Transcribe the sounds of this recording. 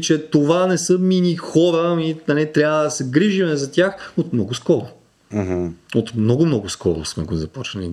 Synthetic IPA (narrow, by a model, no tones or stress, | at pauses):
t͡ʃɛt̪ovanɛsəminixɔɾəinɐlit̪ɾʲjabəd̪ɐsɛɡɾiʒimɛzɐt̪ʲjaxot̪mnɔɡʊskɔɾʊ | ɦ̩ot̪mnɔɡʊmnɔɡʊskɔɾʊ̰smɛɡzɐpɔt͡ʃnɐli